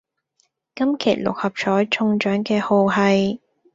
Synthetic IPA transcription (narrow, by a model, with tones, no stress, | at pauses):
kɐ˥mkʰḛː˨˩lʊ̰˨k̚hɐ˨p̚t͡ʃʰɔː˨˥jt͡ʃʰʊ˧ŋt͡ʃœː˨˥ŋkɛː˧ho˨˧wɦɐ˨j